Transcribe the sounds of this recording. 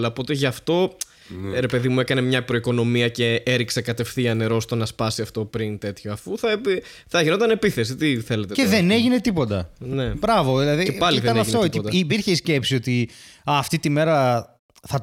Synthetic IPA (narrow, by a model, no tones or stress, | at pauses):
lɐopo̞t̪eʝɐft̪o̞ | ɾe̞pe̞ðimue̞kɐne̞mɲɐpɾoiko̞no̞miɐce̞eɾiksekɐt̪e̞fθiɐne̞ɾo̞st̪o̞nɐspɐsiɐft̪o̞pɾint̪e̞t̪çoɐfuθɐep | θɐʝino̞t̪ɐne̞piθe̞s̬it̪iθe̞let̪eceðe̞ne̞ʝine̞t̪ipo̞t̪ɐ̰ne̞bɾɐvo̞ðilɐðieipɐliiðeɐneɐft̪oit̪it̪ːpiɾçeisce̞psio̞t̪iɐːft̪it̪ime̞ɾɐ | θɐ